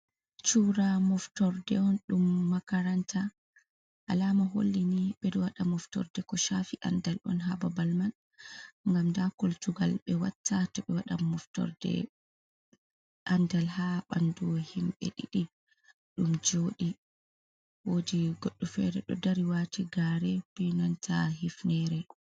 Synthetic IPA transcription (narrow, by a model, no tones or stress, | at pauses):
t͡ʃuːɾamɔftɔɾdɛɔnɗumːakaɾantʰa | ʔalamaɦo̰lːiniɓɛɗɔwaɗamɔftɔ̰ɾdɛkɔʃafiʔandalʔɔ̰nɦababalman | ŋɡamdakoltuɡalɓɛwatːatɔɓɛwaɗamɔftɔ̰ɾdɛ̰ | ʔandalhaɓanduwhimɓɛ̰ɗiɗi | ɗumd͡ʒoːɗi | wodiɡɔɗːɔfɛ̰ɾɛɗɔdaɾiwatʰiɡaːɾɛwinantʰahifnɛɾɛ